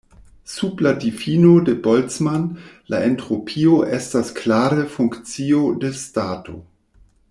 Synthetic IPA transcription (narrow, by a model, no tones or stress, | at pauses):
subladifinode̞bolt͡smanla̰entɾopʰio̞ʔestasklaɾəfuŋkt͡sio̞destato̞̰